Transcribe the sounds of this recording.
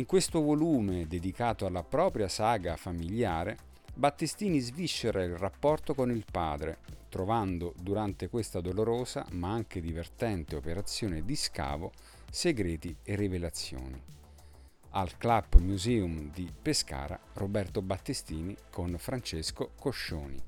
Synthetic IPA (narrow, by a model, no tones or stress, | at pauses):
iŋkwest̪ovoluːmed̪ed̪ikaːt̪oalːapɾɔːpɾjasaːɡafamiljaːɾe | bat̪ːist̪iːnizviʃːeɾailrapːɔrt̪okonilpaːd̪ɾet̪ɾovand̪od̪uɾant̪ekwest̪ad̪oloɾoːza̰maaŋked̪ivert̪ɛnt̪eopeɾat̪sːjoːned̪iska̰ːvo̰ | seɡɾɛːt̪ierːivelat̪sːjo̰ːni | alklabmjuzɛːumd̪ipeska̰ːɾa̰robɛrt̪obat̪ːist̪iːnikʰonfɾant͡ʃeskokoʃːoːnḭ